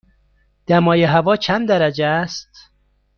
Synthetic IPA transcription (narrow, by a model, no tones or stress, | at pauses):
d̪̥æmɒːjeɦævɒːt͡ʃʰænd̪d̪æɾæd͡ʒeæst̪